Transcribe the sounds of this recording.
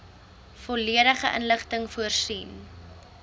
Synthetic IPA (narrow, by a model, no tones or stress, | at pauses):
fɔliəɾəχəʔə̰nləχtəŋfuərsiːn